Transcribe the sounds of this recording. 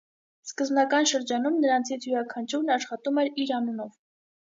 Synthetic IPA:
skəzbnɑkɑnʃəɾd͡ʒɑnumnəɾɑnt͡sʰit͡sʰjuɾɑkʰɑnt͡ʃʰuɾnɑʃχɑt̪umɛɾiɾɑnunɔv

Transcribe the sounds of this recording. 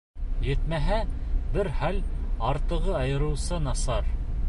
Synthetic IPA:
jɘ̆t̪mæɦæbɘɾχælɑɾt̪ɤ̆ʁɤɑjɤ̆ɾɤ̆wsɤnɑsɑɾ

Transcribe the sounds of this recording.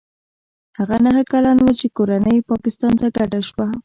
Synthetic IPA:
haɣanaɦakalɑnwat͡ʃekoɾanəjpɑkɪst̪ɑnt̪aɡaɖaʃwa

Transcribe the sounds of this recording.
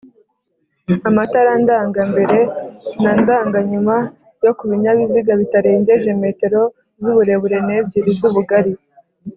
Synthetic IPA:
amataɾandaːŋɡambe̞ɾe̞nandaːŋɡaɲuma | jo̞kuβiɲaβiziɡaβitaɾe̞ːɲɟe̞ʒe̞me̞ːte̞ɾo̞ | zuβuɾe̞βuɾe̞neb̚ɟiɾizuβuɡaɾi

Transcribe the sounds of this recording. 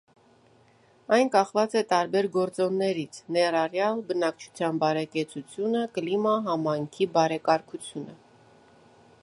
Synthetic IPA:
ɑjnkɑχvɑt͡sɛt̪ɑɾbɛɾɡɔɾt͡sɔnːɛɾit͡sʰnɛɾɑrjɑlbənɑkt͡ʃʰu̥t͡sʰjɑnbɑɾɛkɛt͡sʰut͡sʰjunəkəlimɑɦɑmɑjŋkʰibɑɾɛkɑɾkʰut͡sʰjunə

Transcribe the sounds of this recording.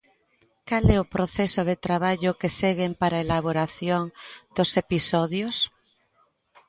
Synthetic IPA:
kalɛʊpɾoθɛsoðet̪ɾaβaʎʊkeseɣempaɾaelaβoɾaθjoŋd̪̥osepisɔðjos

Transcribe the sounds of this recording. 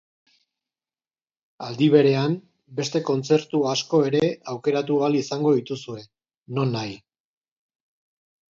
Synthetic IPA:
ald̪iβ̞e̞ɾe̞am | be̞st̪e̞ko̞nt͡se̞ɾt̪uasko̞e̞ɾe̞awke̞ɾat̪ualisaŋɡo̞ðit̪usue̞ | no̞nːaj

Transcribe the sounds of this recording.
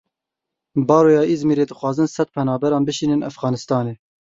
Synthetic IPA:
bɑːɾoːjɑːʔizmiːɾeːd̪ɨxwɑːzɨnsɛt̪̚pʰɛnɑːbɛɾɑːnbɨʃiːnɨnʔæfɣɑːnɨst̪ɑːneː

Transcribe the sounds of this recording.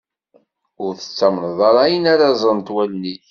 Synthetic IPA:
ʊɾθə̥t͡sːæmnəðˤɑɾˤɑjənaɾazˤənt̪wælni

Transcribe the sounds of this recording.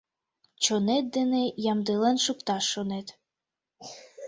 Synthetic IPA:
t͡ɕonet̪̚d̪enejɑmd̪elenʃukt̪ɑʃːonet̪

